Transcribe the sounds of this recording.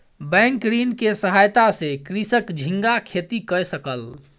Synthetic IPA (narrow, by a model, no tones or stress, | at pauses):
bɛ̃ŋkɾinkesəɦajt̪asẽkɾisəkd͡ʒʱĩŋɡakʰet̪ikəjsəkəl